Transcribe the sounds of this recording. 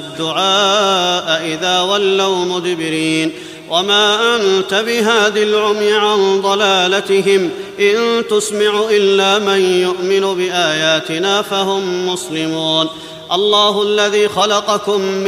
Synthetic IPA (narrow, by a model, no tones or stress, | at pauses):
d̪ːʊʕaːʔaʔɪðaːwalːawmʊd̪ɪbɪɾiːn | wʔamaːʔant̪abɪɦaːðalʕʊmjɪʕand̪ˤɑlaːlat̪ɪɦɪmʔɪnt̪ʊsmaʕuʔɪlːaːmanjʊʔmɪnubɪʔaːjaːt̪ɪnaːfaɦʊmːʊslɪmuːn | ʔɑlˤːɑːɦʊʔalːaðiːxɑlɑqɑkʊmː